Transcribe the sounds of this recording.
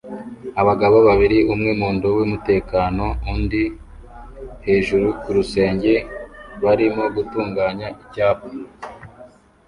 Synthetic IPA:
aβaɡaβoβaβiɾiumŋemuːndowimute̞ːkaːno̞undi | he̞ːʒuɾukuɾuse̞ːɲɟe̞βaɾimo̞ɡutuːŋɡaːɲaʔiβɟaːpo

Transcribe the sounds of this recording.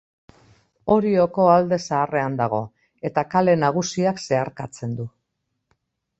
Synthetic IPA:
o̞ɾio̞ko̞ald̪e̞saːre̞and̪aɣ̞o̞ | e̞t̪akale̞naɣ̞usiakse̞aɾkat͡se̞nd̪u

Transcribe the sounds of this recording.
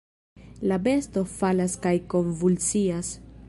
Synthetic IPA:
labe̞sto̞falaskajko̞nvult͡sias

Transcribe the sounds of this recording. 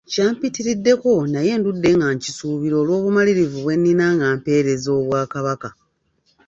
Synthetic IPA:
caːmpitiɾidːe̞ko̞naje̞ːndudːe̞ŋɡaɲcisuːβiɾo̞ːlwo̞ːβumaliɾivuβwe̞nːinaŋɡaːmpe̞ːɾe̞zo̞ːβwaːkaβaka

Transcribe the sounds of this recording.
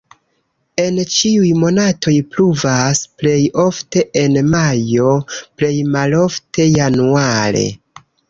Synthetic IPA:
e̞nt͡ʃiujmo̞natʰo̞jpluvasple̞jo̞fte̞ʔenmajo̞ple̞jmalo̞fte̞januaɾe̞̰

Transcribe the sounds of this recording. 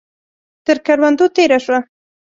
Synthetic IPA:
t̪əɾkaɾwand̪ut̪eɾaʂwa

